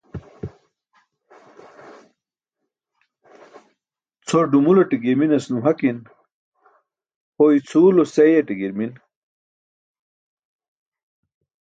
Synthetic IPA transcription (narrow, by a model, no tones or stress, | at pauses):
t͡sʰoɖumuloʈiɡiminɐsnuɦɐkin | hoit͡sʰuːlosejeʈiɡiɾmin